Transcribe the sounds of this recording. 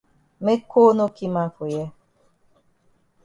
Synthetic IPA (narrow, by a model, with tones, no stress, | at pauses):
me˦ko˦no˦ki˦mã˦fo˨jɛ˦